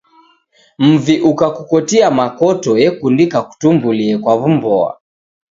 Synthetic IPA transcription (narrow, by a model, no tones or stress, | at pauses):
m̩viʔukakukɔtiamakɔtɔjɛkundikaku̥tumbuliɛkwavumbɔa̰